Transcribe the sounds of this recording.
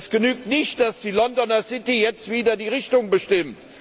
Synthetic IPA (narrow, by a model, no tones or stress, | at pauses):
sɡ̥ənyːk̚tnɪçtd̥asd̥iːlɔndɔnɐsɪtijɛt͡stv̥iːdɐdiːʁɪçtʊŋbəʃtɪmt